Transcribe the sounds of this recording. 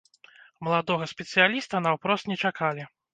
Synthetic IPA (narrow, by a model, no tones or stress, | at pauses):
mɐlˠad̪ɔɣɐsʲpʲɛt̪sɨjalʲist̪ɐnawpɾɔst̪nʲɛt͡ʂakalʲi